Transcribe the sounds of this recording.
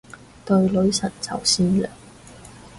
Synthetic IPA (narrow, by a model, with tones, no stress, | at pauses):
t̪ɵ˧ɥlɵ˨˥ɥsɐ˨˩nt͡sɐ˨˩wsiː˥nlœː˨˩ŋ